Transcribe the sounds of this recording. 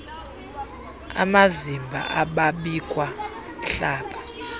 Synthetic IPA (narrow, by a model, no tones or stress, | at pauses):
a̰mazimbʱa̰ʔaɓaɓikʼwa | ɬaːɓa